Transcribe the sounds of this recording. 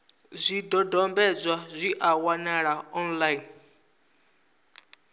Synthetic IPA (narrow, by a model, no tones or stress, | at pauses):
zʷidɔdɔmbɛd͡zʷwazʷiʔawanaɺaɔnlain